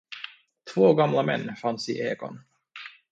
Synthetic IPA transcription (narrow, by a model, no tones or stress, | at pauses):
t̪ʰvoːɡamlamɛ̰nːfansɪʔeːɡɔ̰n